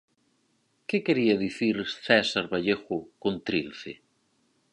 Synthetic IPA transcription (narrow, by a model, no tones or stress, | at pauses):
kekeɾiaðiθiɾθɛsaɾβaʎexʊkont̪ɾilθḛ